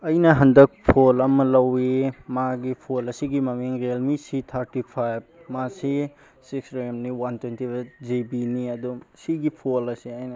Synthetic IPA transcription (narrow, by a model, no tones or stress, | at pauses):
ɐjnɐɦɐnd̪ɐk̚pʰolɐmɐlɐwimaɡipʰolɐsiɡimɐmiŋɾelmisit̪ʰaɾʈipʰajb̚ | masi | siksɾemniwantwentibɐd͡ʒibiniɐd̪umsiɡipʰolɐsiajnɐ